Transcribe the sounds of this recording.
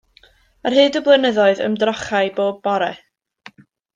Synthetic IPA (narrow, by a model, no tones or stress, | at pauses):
arɦɨːdəblˠɛnəðɔɨðə̰mdrɔχaɨboːd̚bɔɾɛ